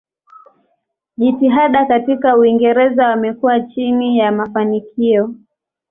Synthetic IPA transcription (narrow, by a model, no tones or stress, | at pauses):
ʄitiɦaɗakatikauiŋɡɛɾɛzawamɛkuwat͡ʃinijamafanikʰiɔ